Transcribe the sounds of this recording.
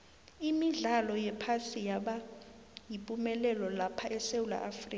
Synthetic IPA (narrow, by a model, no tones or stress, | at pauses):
imiɮalɔjɛpʰasijaɓa | jipʼumɛlɛlɔlapʰaʔɛsewula̰ʔafriːk